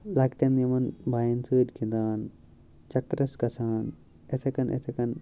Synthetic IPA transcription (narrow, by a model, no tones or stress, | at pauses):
lɐkʈɐnːimɐnbaːjɐnt͡sɨːd̪kʰind̪aːn | t͡ʃɐkɾɐskɐsaːn | esɐkɐnʔḛsʰɐkɐn